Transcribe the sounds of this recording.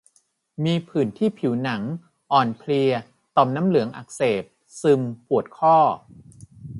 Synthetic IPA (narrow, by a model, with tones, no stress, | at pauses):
miː˧pʰɯː˨˩nt̪ʰiː˥˩pʰi˩˦wna˩˦ŋ | ʔɔː˨˩npʰli˧ə | t̪ɔ˨˩mnaː˦˥mlɯ˩˦əŋʔa̰˨˩k̚seː˨˩p̚ | sɯ˧mpʰu˨˩ət̪̚kʰɔː˥˩